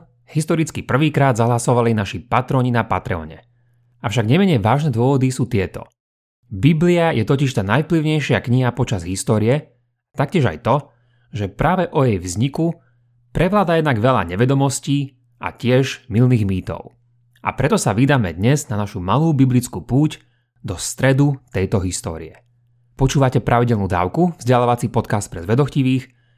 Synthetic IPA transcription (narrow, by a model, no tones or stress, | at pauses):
ɦist̪ɔɾit͡skipr̩ʋiːkɾaːd̪zaɦlasɔʋalinaʃipat̪ɾɔːɲinapat̪ɾɛɔ̰ːɲɛ̰ | afʃaɡɲɛmɛɲɛjʋaːʒnɛd̪ʊɔʋɔd̪isuːt̪ɪɛt̪ɔ̰ | bibliajɛt̪ɔciʃt̪aːnajfpliʊɲɛjʃɪakɲiɦapɔt͡ʃazɦist̪ɔːɾijɛ | t̪ak̚cɪɛʒa̰jt̪ɔ | ʒɛpɾaːʋɛʔɔjɛjʋzɲiku | pɾʔɛʋlaːd̪ajɛd̪naɡʋɛʎa̰ɲɛʋɛd̪ɔmɔsciː | ʔa̰cɪɛʒmilniːɣmiːt̪ɔ̰ʊ | a̰pɾɛt̪ɔsaʋid̪aːmɛ̰d̪ɲɛznanaʃumaluːbiblit͡skupuːc | d̪ɔst̪ɾɛd̪ut̪ɛjt̪ɔɦist̪ɔ̰ːɾḭɛ | pɔt͡ʃuːʋacɛpɾʔaʋiɟɛlnuːd̪a̰ːʊkuvzɟɛlaːʋat͡sipɔt̪kast̪̚pɾɛzʋɛd̪ɔxciʋiːx